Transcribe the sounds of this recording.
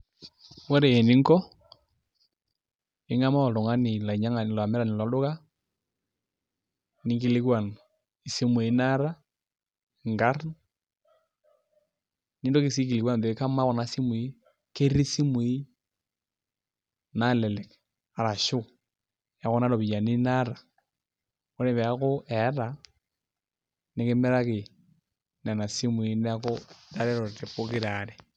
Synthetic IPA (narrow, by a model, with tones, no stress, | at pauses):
wɔ˦ɾeː˨nɪ˦ŋkɔ˦ | ɪ˦ŋa˦ma˦ɔ˨lʊ˨ŋa˦nɪ˨la˨i˨ɲa˦ŋa˨n˨la˨mɛ˦ɾa˨nɪ˨la˨˦lʊ˦ka˦ | nɪ˨˦ŋɡɪ˨lɪ˦kwa˨n | i˨si˦mu˨i˨˦na˦ɾa˦˨ | ŋɡa˦rn | ni˦ndo˦kɪ˨si˦ki˨lɪ˨kwa˦n˨de˨˦ka˦ma˦kɔ˨na˨˦si˦mʊ˨i˦ | ke˦ɾi˦si˦mwi˦ | na˦lɛ˨lɛ˨k | a˨ɾa˨ʃu˦ | ja˨ɣo˦na˦ɾo˨βi˨ja˨ni˦na˦ɾa˨ | o˦ne˨βɛ˨ja˦ko˦ʔɛ˨˦ɾa˨ | ne˦ke˦me˦ɾa˦ke˨ | na˨na˨si˦mwi˦ne˦a˦ko˦ta˦ɾɛ˦ɾo˨ɾte˨po˦ki˦ɾa˨ɾe˨